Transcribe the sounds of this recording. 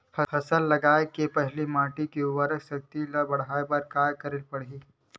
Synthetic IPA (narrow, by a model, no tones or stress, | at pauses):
pʰəfʰəsəlːɐɡajkepəɦlimaʈikeuʋəɾəksək̚t̪ilabɐɽ̤ajbəɾkajkəɾelpəɽ̤iː